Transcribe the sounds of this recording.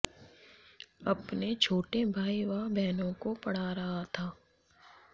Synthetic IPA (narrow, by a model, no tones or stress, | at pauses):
ɐpnet͡ʃʰoːʈebʱaːiʋabɛɦnõkopɐɽ̤aɾɐɦat̪ʰaː